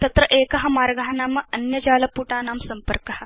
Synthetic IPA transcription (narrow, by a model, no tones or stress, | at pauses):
t̪ɐt̪ɾɐʔeːkɐɦɐmaːɾɡaɦɐnaːmɐɐnjɐd͡ʑaːlɐpuːʈaːnaːmsɐmpəɾkɐhɐ